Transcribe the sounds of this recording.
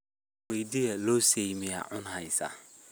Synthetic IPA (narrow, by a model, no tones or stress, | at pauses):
wediɛlosejmɪ̃a̰ʔʊ̃nhajsa̰